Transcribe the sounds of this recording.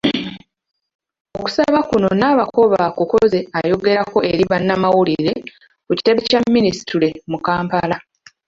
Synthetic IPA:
o̞ku̥saβakuno̞naːβako̞βakuko̞ze̞ajo̞ɡe̞ɾako̞ʔe̞ɾiβanːamawuliɾe̞ | kuci̥te̞βecamːinisi̥tʰuɾe̞mukaːmpala

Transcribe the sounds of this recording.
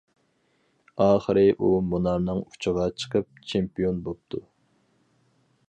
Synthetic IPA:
ɑːχəɾɨʔumunɑɾnɨŋu̥t͡ʃʰəʁɑt͡ʃʰə̥qʰəp̚t͡ʃʰempijonbop̚t̪ʰu

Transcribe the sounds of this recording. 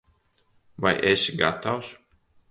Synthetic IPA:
vajʔesɡat̪aws

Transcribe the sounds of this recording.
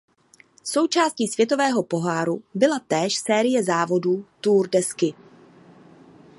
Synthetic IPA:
so̞wt͡ʃaːsciːsvjɛt̪o̞vɛːɦo̞po̞ɦaːɾubɪlat̪ɛːʃsɛːɾɪjɛzaːvo̞duːt̪uːrdɛskɪ

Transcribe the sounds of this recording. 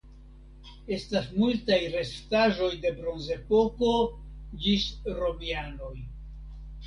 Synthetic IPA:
e̞stasmultajɾe̞staʒo̞jde̞bɾo̞nze̞po̞ko̞d͡ʒisɾo̞miano̞j

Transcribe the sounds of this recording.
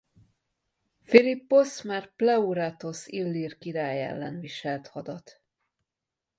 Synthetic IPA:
filipːosmɛrplɛuɾat̪o̞silːiːrkiɾaːjɛ̰lːɛnviʃɛlt̪hɒd̪ɒt̪

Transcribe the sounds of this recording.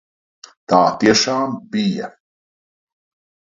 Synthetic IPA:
t̪aːt̪iɛʃaːmbija̰

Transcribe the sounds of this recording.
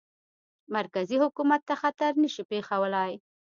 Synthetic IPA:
maɾkazihʊkumat̪ːaxat̪aɾnəʃipexawəlaj

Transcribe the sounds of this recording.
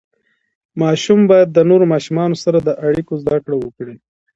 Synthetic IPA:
mɑʃumbɑjad̪ːənoɾomɑʃumɑnosaɾad̪əʔaɽikozd̪akɽawəkɽi

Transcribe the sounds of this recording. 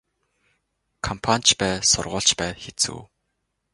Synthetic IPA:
kʰɔmpʰanʲt͡ɕpæːsʊ̰rʁʊːɬt͡ɕpæːxet͡sṵː

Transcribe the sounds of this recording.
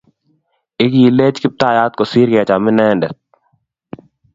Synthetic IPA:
ɪkjileːt͡ʃkɪp̚t̪aːjaːt̪̚kosiːɾɡɐjat͡ʃaːmɪnɛːɳɖə

